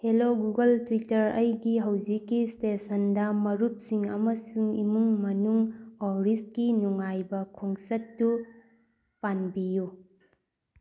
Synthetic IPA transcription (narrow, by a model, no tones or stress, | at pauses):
heloɡuɡɐltwitɐɾɐjɡiɦɐwzikːistesɐndɐmɐɾup̚siŋɐ̰mɐsuŋimuŋmɐnuŋoɾist̚kinuŋajbɐkʰoŋsɐtːu | panbiju